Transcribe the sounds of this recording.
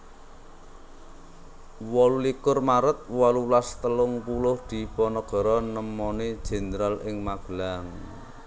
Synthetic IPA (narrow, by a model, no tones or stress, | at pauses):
wɔlulikʊrmaɾət̪̚wɔlulast̪əlʊŋpulʊhd̪̥i̤pɔnɔɡ̥ɔ̤ɾɔnəmɔnid̥ʒ̥ɛ̤nd̪ɾalʔɪŋmaɡ̥laŋ